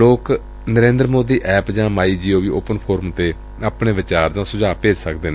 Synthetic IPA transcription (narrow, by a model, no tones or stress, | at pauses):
loːk | nəɾẽːnd̪ɾəmoːd̪iːʔɛːpd͡ʒãːmaːiːd͡ʒiːoːʋiːoːpənpʰoːɾəmt̪eː | aːpneːʋɪt͡ʃaːɾd͡ʒãːsʊd͡ʒaːpeːd͡ʒsəkd̪eːn